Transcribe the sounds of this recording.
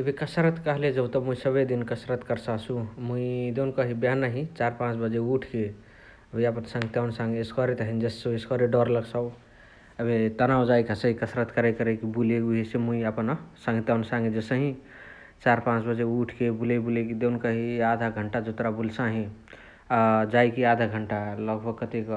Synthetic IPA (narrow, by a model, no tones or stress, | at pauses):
əbʱikəsɾət̪kəɦled͡ʒət̪əmuisəbəd̪inkəsɾət̪kəɾsasũmuid̪enkəɦibjanəɦĩt͡ʃaɾpãt͡ʃbəd͡ʒeuʈʰke | əbʱiəpənsə̃ŋɡt̪jaʊnsãŋɡeeskɔɾet̪əɦind͡ʒessoeskɔɾeɖɔɾləɡsəʊ | əbʱet̪ənawd͡ʒajkasəɦikəsɾət̪kaɾakəɾəkibuleɡuɦesemuiəpənsə̃ŋɡt̪jaʊnsãŋɡed͡ʒesəɦĩ | t͡ʃaɾpãt͡ʃbəd͡ʒeuʈʰkebulebulekid̪ewnkəɦiad̪ʱaɡʱəɳʈad͡ʒot̪ɾabulsãɦĩ | d͡ʒajkiad̪ʱaɡʱəɳʈaləɡbʱəɡ̚kət̪ek